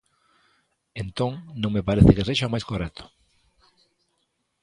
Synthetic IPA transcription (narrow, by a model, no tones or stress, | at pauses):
ent̪õŋnõŋmepaɾeθɪkeseʃamajskorɛt̪ʰʊ̥